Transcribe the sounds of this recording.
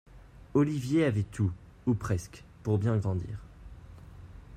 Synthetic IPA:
ɔlivjeavɛt̪u | upχɛskpuʁbjɛ̃ɡʁɑ̃d̪ḭːʁ

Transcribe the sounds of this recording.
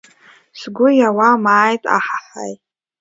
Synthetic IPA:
sɡʷʊjawamaːjtʼa̰ħaħa̰jʼ

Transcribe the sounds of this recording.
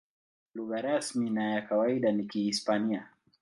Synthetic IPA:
luɣaɾasminajakawaiɗanikihispania

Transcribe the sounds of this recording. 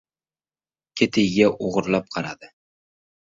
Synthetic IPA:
kʲʰet̪ʰɪjɡʲaʔoʁʊɾlˠap̚qʰɑɾa̰d̪ɪ

